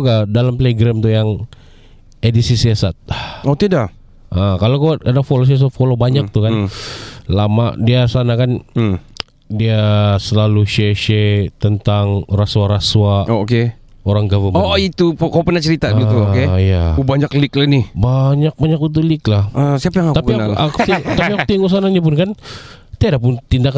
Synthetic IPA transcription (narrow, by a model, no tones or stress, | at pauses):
ɡadalampleɡɾamt̪ujaŋ | edisisiasat̪̚ot̪ida | ʔəkalokuadafolos̬ias̬at̪̚folobaɲak̚t̪ukan | lama̰diasanakan | diasəlaluʃeʃet̪ənt̪aŋrasuaɾasuwaoke | oɾaŋɡavəmoit̪upkawpərnaht͡ʃəɾit̪at̪uokejaubaɲaklɪklanɪbaɲak̚baɲakut̪̬uliklahəsiapajaŋakt̪auknalat̪iŋt̪apiak̚t̪iŋus̬ananap̬ʊnkan | t̪iadapʊnt̪indak